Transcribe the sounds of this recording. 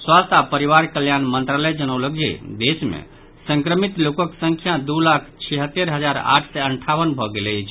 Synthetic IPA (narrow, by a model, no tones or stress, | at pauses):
swast̪ʰapəɾiʋaɾkəljanmənt̪ɾaləjd͡ʒənəwləɡd͡ʒḛd̪esmḛ | sə̃ŋkɾəmit̪lokəksəŋkʰjad̪ulakʰt͡ʃʰiɦət̪ːeɾɦəd͡ʒaɾa̰ʈʰsɛəɳʈʰaʋənbʱɔɡelt͡ʃʰ